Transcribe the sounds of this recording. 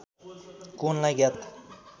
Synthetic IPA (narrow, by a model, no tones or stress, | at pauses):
konlaɡjat̪